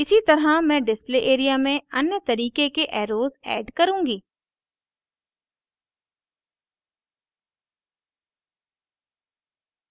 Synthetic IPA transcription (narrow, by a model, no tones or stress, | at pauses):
ɪsit̪ɐɾɦamɛ̃ːɖɪspleʔeːɾijamẽɐnjət̪ɐɾiːkekeʔɛːɾoːzɛ̰ːɖkɐɾũːŋɡiː